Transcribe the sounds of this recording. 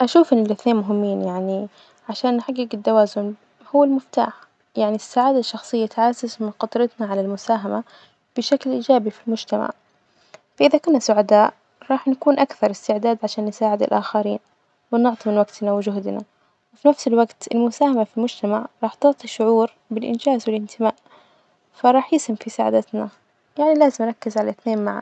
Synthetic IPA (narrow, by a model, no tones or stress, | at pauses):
ʔaʃuːfɪnɪlɪθneːnmʊɦɪmːiːnjaʕni | ʕaʃaːnːħaɡːɪɡɪt̪ːawaːzʊn | hʊwːalmʊft̪a̰ːħ | jaʕnisːaːʕaːd̪aʃːɑxsˤɨjːat̪ʕazːazmɪnqɑt̪ˤɾɑt̪naʕalalmʊsaːɦama | b̥ɪʃaklʔiːd͡ʒaːbifilmʊd͡ʒt̪ama̰ʕ | faʔɪðakʊnːasʊʕad̪aːʔ | ɾˤɑːħnakuːnʔakθɑɾˤɪst̪ɪʕd̪aːd̪ʕaʃaːnːɪsaːʕɪd̪ɪ̰lʔaxaɾḭːn | wɪnɪʕt̪ˤimɪnwaɡt̪nawɪd͡ʒʊɦd̪na̰ | wɪfinafsɪlwaɡt̪ɪlmʊsaːhamafilmʊd͡ʒt̪amaʕɾˤɑːħt̪ɪʕt̪ˤiʃʊʕuːɾ | bɪlʔɪ̰nd͡ʒaːzwɪlʔɪnt̪ʰɪmaːʔ | faɾˤɑːħjɪshɪmfisaʕa̰d̪at̪na | jaʕnilaːzɪmɾˤɑkːɪzʕalaθneːnmaʕa̰